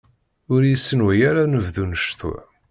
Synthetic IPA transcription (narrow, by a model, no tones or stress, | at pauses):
ʊɾjəsːənwæjaɾanəvðunəʃθuæ̰